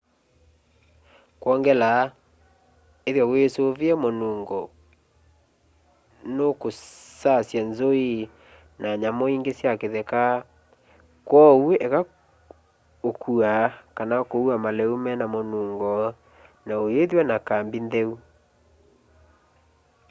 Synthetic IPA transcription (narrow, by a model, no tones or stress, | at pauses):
kwɔŋɡɛla | eðjwawesoviɛmonuːŋɡɔ | nokosasjanzoi | naɲamɔiŋɡesjakeðɛka | kwɔweʔɛka | okʰuakanakouamalɛumɛnamonuːŋɡɔ | naoeðwanakambindɛu